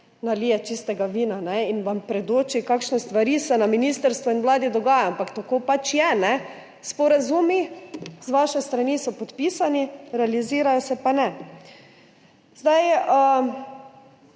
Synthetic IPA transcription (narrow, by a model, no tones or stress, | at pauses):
naliːjɛt͡ʃist̪ɛɡaʋiːnanɛinʋampɾɛd̪oːt͡ʃikakʃnɛst̪ʋaɾiːsɛnaminist̪əɾst̪ʋɔinmlaːd̪id̪ɔɡaːjaampakt̪akoːpat͡ʃjɛnɛ | spɔɾazuːmizʋaʃɛst̪ɾanisɔpɔt̪piːsaniɾɛaliziːɾajɔsɛpanɛ | zd̪ajə